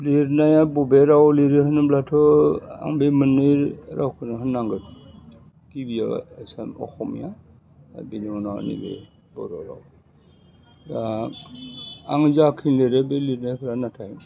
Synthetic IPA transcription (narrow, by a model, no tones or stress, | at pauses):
liɾnajabɔbɛɾawliɾihɯnɯblatʰɔa̰ŋbemɯnɯɾɾawkʰɯnaɦɯnːaŋɡɯt̚ | kibija̰asamɔ̰xɔmḭja̰ | biniɔnaa̰nḭbḛ | bɔɾɔ̰ɾa̰w | ɡa | aŋzakʰinleɾɛbeliɾnajpʰɾanatʰaj